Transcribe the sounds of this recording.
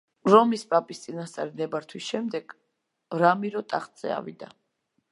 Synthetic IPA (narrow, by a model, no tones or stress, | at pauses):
ɾɔmispʼapʼist̪sʼinast̪sʼa̰ɾinɛbaɾt̪ʰwisʃɛmd̪ɛɡ̥ | ɾamiɾɔt̪ʼaχt̪ʼz̥ɛ̰a̰vḭd̪a̰